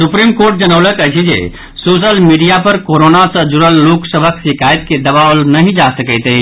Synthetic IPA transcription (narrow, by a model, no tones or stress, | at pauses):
supɾimkoɾʈ̚d͡ʒənəʊləkət͡ʃʰid͡ʒḛ | soːsəlmiɖijapəɾkoɾonasə̃d͡ʒuɾəlːoksəbʱəksikʰajt̪ked̪əbaʋlnəɦĩd͡ʒasəkəɪt̪əɦi